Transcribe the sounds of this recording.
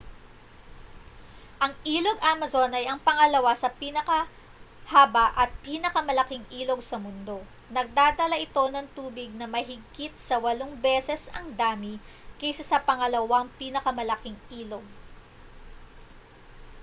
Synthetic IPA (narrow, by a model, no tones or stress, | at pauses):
ʔɐŋʔiːloɡʔamɐzo̞nɐjɐŋpɐŋɐlɐwasɐpiːnɐkɐ | haːbɐʔɐt̪̚piːnɐkɐmɐlɐkiŋʔiːlo̞ɡsɐmʊnd̪o̞ | nɐɡ̚d̪aːd̪ɐlɐʔɪt̪o̞nɐŋt̪uːbɪɡ̚nɐmɐɦɪɡit̪̚sɐwɐloŋbɛːsɛsɐŋd̪aːmi | kɛjsɐsɐpɐŋɐlɐwɐŋpiːnɐkɐmɐlɐkiŋʔiːlo̞ɡ̚